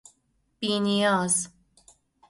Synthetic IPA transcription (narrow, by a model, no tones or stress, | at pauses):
b̥iːnijɑːz